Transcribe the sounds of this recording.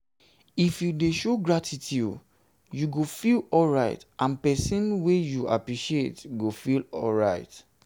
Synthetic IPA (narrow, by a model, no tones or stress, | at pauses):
ifjudeʃoɡɹatitʰud | juɡofilɔlɹaɪtʔãnpɛsĩnwejuʔa̰pɹiʃietɡofilɔ̰lɹaɪt